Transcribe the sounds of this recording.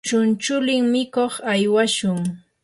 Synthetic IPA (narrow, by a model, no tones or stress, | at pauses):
t͡ʃʊnt͡ʃʊlɪŋmɪkoχajwaʃʊŋ